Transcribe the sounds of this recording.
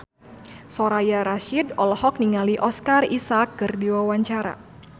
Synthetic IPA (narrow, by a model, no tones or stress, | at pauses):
sɔɾajaɾaʃidɔlɔhɔk̚niŋaliʔɔskarisakːɨrdiwawaɲt͡ʃaɾa̰